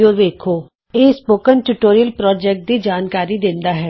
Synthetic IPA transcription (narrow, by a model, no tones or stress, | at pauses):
oːɾʋeːkʰoː | eːspoːkənʈuʈoːɾijəlpɾɔːd͡ʒɛːk̚ʈ̚d̪id͡ʒaːnkaːɾid̪ɪ̃nd̪aɦɛː